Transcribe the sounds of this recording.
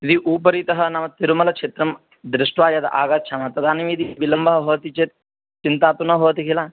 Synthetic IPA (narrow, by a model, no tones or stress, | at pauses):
id̪iʔuːp̬ɐɾit̪ɐɦɐnɐmɐt̪iɾumɐlɐkt͡ʃet̪ɾɐm | d̪ɾɪʂʈʋaːjɐd̪ɐ̰ʔaːɡɐt̪ːt͡ʃʰamɐːt̪ɐd̪aːnimid̪ibilɐmbɐɦɐɦoːt̪it͡ʃet̪̚ | t͡ʃint̪aːt̪unɐɦoːt̪ikilaː